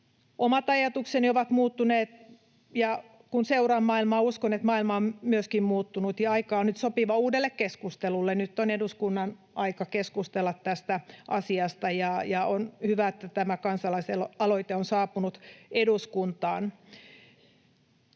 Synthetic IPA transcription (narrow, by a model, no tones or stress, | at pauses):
ʔomɑt̪ɑjɑt̪uksenioʋɑt̪muːt̪ːuneːt̪ | jɑ | kunseurɑmːɑːilmɑːuskonet̪mɑːilmɑommyøskimmuːt̪ːunut̪jɑɑikɑːonyt̪sopiʋɑuːdelːekkeskust̪elulːennyt̪ːoneduskunːɑn | ɑikɑkeskust̪elːɑt̪tæst̪æʔɑ̰siɑst̪ɑjɑjɑonhyʋæet̪ːæt̪æmækɑnsɑlɑiselɑloit̪eonsɑːpunut̪eduskunt̪ɑːn